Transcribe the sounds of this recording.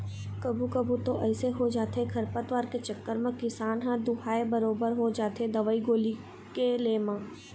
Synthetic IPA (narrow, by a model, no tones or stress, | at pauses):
kɐbʱukɐbut̪oʔɛːseɦod͡ʒaːt̪ekʰɐɾpət̪ʋaːɾket͡ʃɐkːəɾmẽkɪsaːnɦãd̪ʊhaːebɐɾoːbəɾɦod͡ʒaːt̪ed̪ɐʋəːiɡoːli | keleːmãː